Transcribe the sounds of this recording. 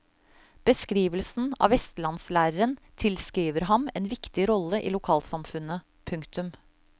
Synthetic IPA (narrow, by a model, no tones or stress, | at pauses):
b̥əskɾiːʋəlsn̩ɑ̰ːʋɛst̪lɑnslæːɾəɾənt̪ʰɪlskɾiːʋəɾɦɑmɛːnʋɪkt̪ɪɾɔləʔḭːlʊkʰɑːlsɑmfʉnːə | pʰʉŋkt̪ʉm